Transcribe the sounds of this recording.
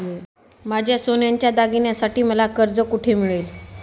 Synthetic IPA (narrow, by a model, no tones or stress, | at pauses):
mad͡ʑʱjasonjaɲt͡ɕjad̪aɡinjasaʈiːməlakəɾd͡zəkuʈʰemiɭel